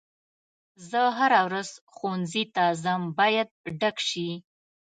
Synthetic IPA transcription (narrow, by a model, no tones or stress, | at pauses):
zəɦaɾawɾaz̥xonzit̪azəmbɑjad̪̚ɖakʃi